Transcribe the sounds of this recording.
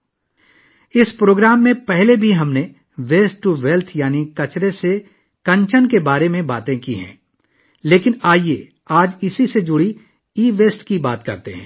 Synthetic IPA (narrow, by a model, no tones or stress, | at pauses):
ɪspɾoːɡɾaːmːẽpɛɦlebʱiɦɐmne | ʋeːsʈʈːuʋeːlt̪ʰjaːnikɐt͡ʃɾese | kɐ̃ɲt͡ʃənkebaːɾemẽba̰ːt̪ẽkḭɦɛ̰̃ː | leːkɪnaːie | aːd͡ʒɪsised͡ʒʊɽi | iːʋeːsʈkibaːt̪kɐ̰ɾt̪eɦɛ̰̃ː